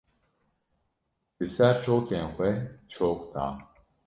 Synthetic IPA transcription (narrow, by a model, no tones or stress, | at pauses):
d̥ɨsɛɾt͡ʃʰoːkʰenxʷɛt͡ʃʰoːkʷt̪ʰa̰ːn